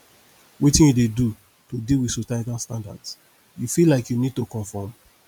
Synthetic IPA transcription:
wetĩnjudedu | todilwi̥sotatãnstãnda̰ds | jufilaɪkjunid̚tokɔ̃ɱfɔm

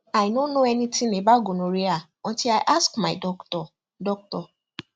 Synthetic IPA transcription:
ajnonoɛnitĩnebaɡonoɾia | ɔ̃ntilaɪʔaskmaɪdɔktɔ | dɔk̚tɔ

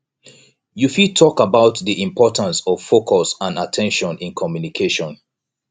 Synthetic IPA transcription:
jufitʰɔkabaʊtðiʔĩmpʰɔtãnsɔv̥fokʰɔsãnatʰɛ̃nʃɔ̃nɪ̃nkʰɔmjunikʰeʃɔ̃n

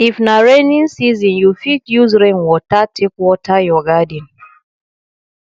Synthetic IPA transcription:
ifnaɹɛnĩnsizĩnjufitjuzɾɛnwɔtatʰikwɔtajɔɡadin

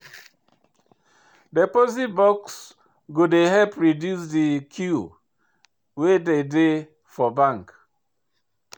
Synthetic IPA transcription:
depozit̚bɔks | ɡodeɦɛlpɹidjus̬dikʰju | wedede | fɔbãŋk

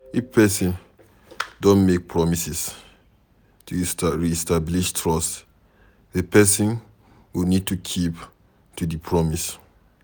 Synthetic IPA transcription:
epʰɛsĩn | dõnmek̚pʰɹɔmisis | tustaɹiɛstabliʃtʰɹɔs | epɛsĩn | winid̚tʰukʰip | tudipʰɹɔmis

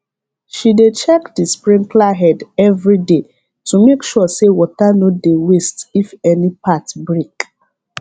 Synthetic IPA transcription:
ʃidet͡ʃɛkdispɾĩmklaɦɛdɛvɹide | tumekʃɔsewɔtanodewestifɛnipatbɾek

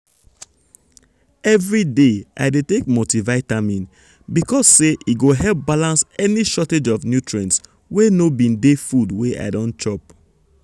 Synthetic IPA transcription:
ɛvɹidea̰ɪdetek̚motivaɪtamĩn | bikɔsːeʔiɡoɦɛlp̚balãnsɛniʃɔted͡ʒɔfnjutɹẽns | wenobĩndefudweʔa̰ɪdɔ̃nt͡ʃɔp̚

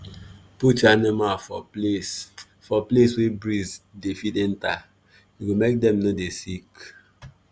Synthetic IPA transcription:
put͡ʃanimafɔ̰s | fɔpleswebɹizdefitɛ̃nta | juɡomek̚dɛ̃mnodesik

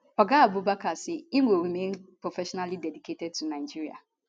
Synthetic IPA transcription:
ɔɡaabʊbakasɪiŋʷoɾimen̩pɾofɛʃɔnalidɛdiketɛd̚tunaɪd͡ʒiɾia̰

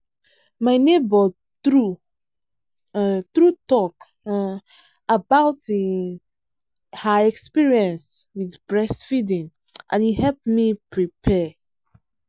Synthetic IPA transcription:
majnebɔ | tɹu | tɹutɔk | abawti | haɛkspiɹiɛ̃nswiθbɹɛsfidĩŋ | ʔã̰njihɛpmipɹipʰɛ

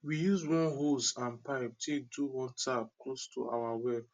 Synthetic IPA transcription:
wijuzwɔ̃nɦosãnpaɪp̚tʰek̚duwɔ̃ntʰab̚klostʰṵʔa̰wawɛb

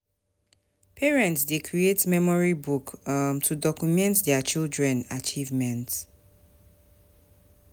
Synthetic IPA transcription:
pʰɛɹɛ̃ntsdekʰɹietmɛmɔɹibukmtʰudɔkumɛ̃ntdɛat͡ʃildɹɛ̃nat͡ʃivmɛ̃nt

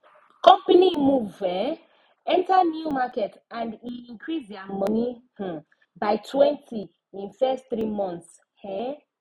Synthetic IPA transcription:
kɔ̃mpinimuvɛ | ɛ̃ntanjumaketãndiĩŋkɾiziamɔnih̩ | baɪtwɛ̃nti | ĩnfɛstθɾimɔ̃nt̪s | hɛ

